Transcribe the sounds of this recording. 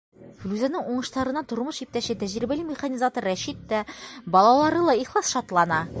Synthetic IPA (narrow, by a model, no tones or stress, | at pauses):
flʲʉzænɘŋuɴɤ̆ʃt̪ɑɾɤ̆nːɑt̪ŏɾmɤʃip̚t̪æɕɘt̪æʑɾibælʲimʲɪχanʲizat̪ŏɾːæɕit̪ːæbɒlˠɑlˠɑɾɤlˠɑiχlˠɑsʃɒt̪lˠɑnɑ